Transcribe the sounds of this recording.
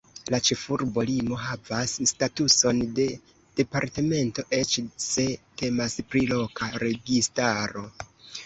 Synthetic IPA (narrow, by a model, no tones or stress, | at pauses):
lat͡ʃe̞fuɾbo̞limo̞ɦavasːtatuso̞nde̞ | d̥e̞paɾte̞me̞nto̞ʔe̞t͡ʃse̞te̞maspɾilo̞kʰaɾe̞ɡistaɾo̞